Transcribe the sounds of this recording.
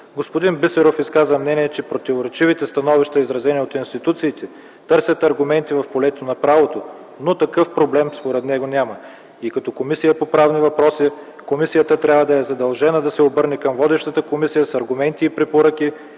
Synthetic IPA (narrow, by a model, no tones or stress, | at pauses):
ɡospod̪inbisɛɾofiskazvəmnɛniɛt͡ʃɛpɾot̪ivoɾɛt͡ʃivit̪ɛst̪ɐnɔviʃt̪ɐizɾɐzɛniot̪inst̪it̪ut̪siːt̪ɛ | t̪ɤɾsʲət̪ɐɾɡʊmɛnt̪ivɐfpolɛt̪onɐpɾavot̪o | not̪ɐkɤfpɾoblɛmspoɾɛt̪nɛɡonʲamə | ikɐt̪ɔkomisijɐpopɾavnivɐpɾɔsi | komisijət̪ət̪ɾʲabvəd̪ɐɛzɐd̪ɐlˠʒɛnəd̪ɐsɛobɤɾnɛkɐmvɔd̪ɛʃt̪ət̪əkomisijəsɐɾɡʊmɛnt̪iːpɾɛpoɾək̟i